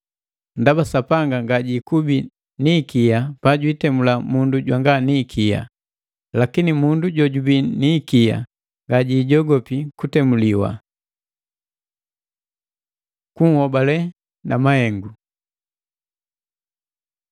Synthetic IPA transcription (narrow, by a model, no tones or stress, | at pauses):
ndabasapaŋɡaŋɡaɟikubi | nikijapaɟwitɛmulamunduɟwaŋɡanikʰija̰ | lakinimunduɟɔɟubinikija̰ | ŋɡaɟiːɟɔɡɔpikutɛmuliwa̰ | kuŋ̩hɔbalɛ | namahɛŋɡu